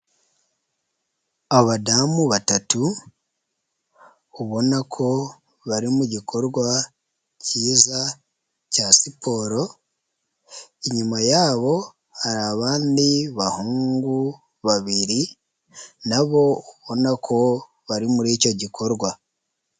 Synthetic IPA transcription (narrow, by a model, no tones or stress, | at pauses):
aβoβadamuβatatu | uβo̞nakʰo̞ | βaɾimuɟikʰo̞ɾɡwa | ciːza | casipʰo̞ɾo̞ | iɲumajaːβo̞ | haɾaβaːndiβahuːŋŋɡu | βaβiɾi | naβo̞uβo̞nakʰo̞ | βaɾimuɾiːco̞ɟikʰo̞ɾɡwa